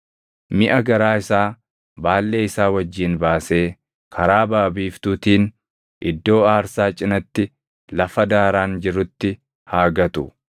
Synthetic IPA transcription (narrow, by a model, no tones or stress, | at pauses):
mɪʔɐɡɐɾaːɪsaː | baːlːe̞ːɪsaːwɐd͡ʒːiːnbaːse̞ː | kʰɐɾaːbaːbiːft̪uːt̪iːn | ʔɪd̪ːo̞ːaːɾsaːt͡ʃʼɪnɐt̪ːɪ | lɐfɐd̪aːɾaːnd͡ʒɪɾʊt̪ːɪ | haːɡɐt̪ʊ